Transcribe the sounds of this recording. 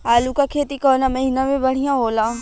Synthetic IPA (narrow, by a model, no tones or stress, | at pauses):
aːlukakʰeːt̪ikɔːnamɐɦiːnamẽbɐɽ̤ijãɦoːlaː